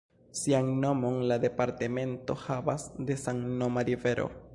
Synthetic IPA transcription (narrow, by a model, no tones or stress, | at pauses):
siaŋno̞mo̞nlad̪e̞paɾteme̞nto̞havasde̞saŋnomaɾive̞ɾʔo̞̰